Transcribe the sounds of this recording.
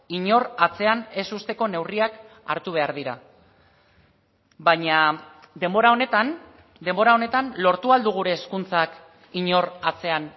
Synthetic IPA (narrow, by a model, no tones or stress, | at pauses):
iɲo̞rat͡se̞ane̞sust̪e̞ko̞ne̞wriak | a̰ɾt̪uβ̞e̞aɾðiɾa̰ | βaɲa | d̪e̞mbo̞ɾao̞ne̞t̪an | d̪e̞mbo̞ɾao̞ne̞t̪anlo̞ɾt̪uald̪uɣ̞uɾe̞ːskunt͡sak | iɲo̞rat͡se̞an